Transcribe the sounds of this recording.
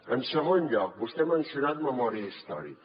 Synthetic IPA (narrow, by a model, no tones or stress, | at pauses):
ənsəɣ̞onʎɔk̚bust̪ɛmənsijunat̪məmɔɾiəist̪ɔ̰ɾḭ